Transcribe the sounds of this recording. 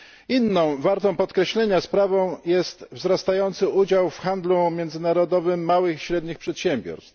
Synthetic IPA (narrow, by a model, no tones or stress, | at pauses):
inːɔ̃w̃vaɾt̪ɔ̃w̃pɔt̪kɾɛɕlɛɲaspɾavɔ̃w̃jɛst̪vzɾast̪ajɔnt̪sɘʔud͡ʑawfxand̪lumʲjɛnd̪zɘnaɾɔd̪ɔvɘmːawɘxiɕɾɛd̪ɲixpʂɛt̪ɕɛmbʲjɔ̰ɾst̪f